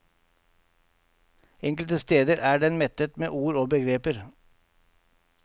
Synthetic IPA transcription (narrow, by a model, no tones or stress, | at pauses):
ɛŋklt̪əst̪eːd̪əɾʔæːɖɛnmɛt̪ət̪mḛːʔuːɾoːbəɡɾeːpəɾ